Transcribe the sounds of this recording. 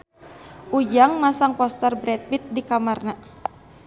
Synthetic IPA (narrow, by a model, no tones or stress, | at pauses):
ʔud͡ʒaŋmasaŋpɔst̪ɛrbɾɛt̪̚wit̪̚dikamarna